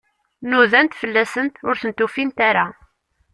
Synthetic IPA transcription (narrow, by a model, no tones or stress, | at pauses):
nuðænt̪fəlːæsənt̪ʊɾθənt̪ufint̪aɾa